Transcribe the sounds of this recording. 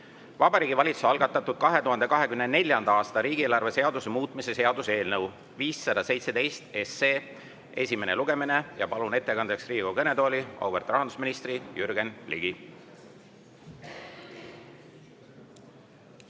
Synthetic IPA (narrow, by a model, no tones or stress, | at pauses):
vɑbɑɾiːɡivɑlʲit̪su̥sɑlɡ̥ɑt̪ːˑɑt̪ːˑud̪̥̚kɑɦe̞t̪uɦɑnd̪e̞kɑɦe̞kymnene̞lʲjɑnd̪̥ɑɑːst̪ɑɾiːɡ̥ieːlɑrve̞se̞ɑd̪usemuːt̪ˑmise̞se̞ɑd̪use̞ːlnɤw | viːsːɑd̪̥ɑse̞jt̪se̞d̪e̞jst̪e̞sːeː | e̞sʲime̞ne̞̰luɡ̥e̞mine̞jɑpɑlune̞t̪ːe̞kɑnd̪eksriːɡ̥okɤned̪o̞ːlʲio̰wbert̪rɑɦɑnd̪usminist̪rijyɾɡe̞nlḭɡi